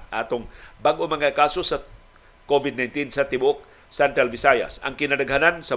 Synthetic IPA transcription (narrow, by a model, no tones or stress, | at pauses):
ʔaːt̪oŋbaɡʔomɐŋakaːso̞sɐ | kovɪd̪najnt̪insɐt̪ɪbʊok̚ | sɛnt̪alvɪsaja̰sɐ̰ŋkɪnad̪ɐɡɦanansɐ